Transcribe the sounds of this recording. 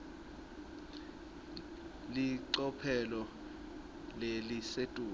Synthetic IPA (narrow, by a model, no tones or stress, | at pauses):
liǀɔpʰɛlɔ | lelisetʼuː